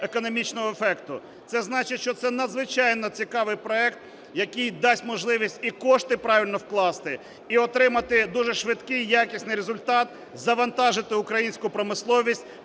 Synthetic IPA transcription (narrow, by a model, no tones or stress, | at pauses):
ekɔnɔmʲit͡ʃnɔɦɔefɛkt̪ʊ | t̪sɛznɑt͡ʃɪʃt͡ʃɔt̪sɛnɐd̪zʋɪt͡ʃɑjnɔt͡sʲikɑʋɪjpɾɔɛkt̪ | jɐkɪjd̪ɑsʲtʲmɔʒlˠɪʋʲisʲtʲikɔʃt̪ɪpɾɑʋʲilʲnɔwklˠɑst̪ɪ | iɔt̪ɾɪmɐt̪ɪd̪uʒɛʃʋɪd̪kɪjjakʲisʲnɪjɾezʊlʲt̪ɑt̪ | zɐʋɐnt̪ɑʒɪt̪ɪʊkɾɐjinʲsʲkʊpɾɔmɪslˠɔʋʲisʲtʲ